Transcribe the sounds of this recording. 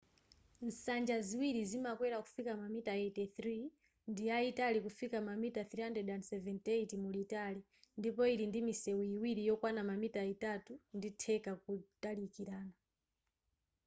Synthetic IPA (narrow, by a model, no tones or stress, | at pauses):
n̩sand͡ʒaziwiɾizimakwɛɾaku̥fikamamitaetiθɾi | ndiaitalikufikamamitaθɾiandɛdandsɛvɛntejtimulitali | ndipɔiɾindimisɛwuiwiɾijɔkwanamamitaitatunditʰɛkak̚utalikiɾaːna